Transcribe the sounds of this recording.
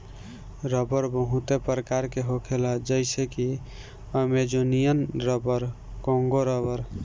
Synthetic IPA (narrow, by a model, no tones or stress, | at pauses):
ɾəbəɾbəɦut̪epɾəkaɾkeɦokʰelad͡ʒəjseki | əmed͡ʒonijənɾəbəɾ | kõŋɡoɾəbəɾ